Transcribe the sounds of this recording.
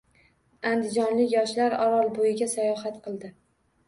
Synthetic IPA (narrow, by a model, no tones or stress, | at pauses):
and̪ɪd͡ʒɒnlɪkʲjɒʃlaɾɒɾɒlˠbojɪɡʲasajɒɦat̪qʰɨlˠd̪ɪ